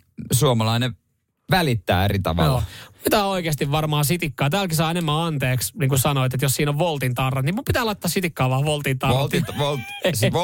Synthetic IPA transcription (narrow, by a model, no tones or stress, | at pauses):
suomɑlɑine | ʋælit̪ːæ̰ːerit̪ɑ̰ʋɑ̰olːmupit̪æːoikeːst̪iʋʋɑrmɑːsit̪ikːɑːt̪æːlkisɑːenemːæɑnt̪eːksniːŋkusɑnoit̪et̪jossiːnoʋʋolt̪int̪ɑrːɑt̪nimumpit̪æːlɑit̪ːɑsit̪ikːɑːʋɑːʋolt̪int̪ɑlt̪iʋolt | s